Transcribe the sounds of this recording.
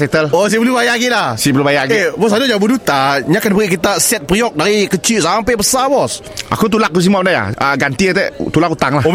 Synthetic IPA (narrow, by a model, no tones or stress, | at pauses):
sɛt̪əlosibəlubajaʔɡiʔlasibəlubajaʔɡiebɔsadʊd͡ʒabudut̪aɲakanbəɾiʔkit̪asɛt̪̚pɾiɔk̚daɾikət͡ʃiʔsaampaʔbəsabɔs | ʔa̰kut̪̬ulak̚kus̬imap̚ndaja̰əɡant̪iat̪ɛ̰t̪ulakut̪aŋlaho